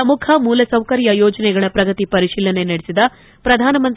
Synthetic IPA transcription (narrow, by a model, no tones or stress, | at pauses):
ɐmukʰɐmuːlɐsɐwkɐɾjɐjoːd͡ʒɐnɛɡɐɭɐpɾɐɡɐt̪ipɐɾiʂiːlɐne̞nɐɽesid̪ɐ | pɾɐd̪ʱaːnɐmɐnt̪